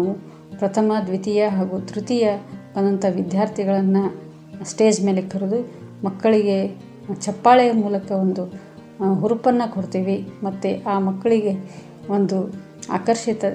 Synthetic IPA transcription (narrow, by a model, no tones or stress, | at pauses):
ʋu | pɾɐt̪ʰɐmɐd̪ʋit̪ijɐɦaːɡut̪ɾut̪ijɐbɐnːɐnt̪ɐʋid̪jaːɾt̪ʰiɡɐɭɐnːɐ | sʈe̞ːd͡ʒme̞ːlekʰɐɾud̪umɐkːɐɭiɡe̞ | t͡ʃɐpːaːɭɛjɐmuːlɐkɐond̪u | ɦuɾupɐnːɐkoɽt̪iːʋimɐt̪ːeʔaːmɐkːɐɭiɡe | o̞nd̪u | a̰ːkɐɾʃit̪ɐ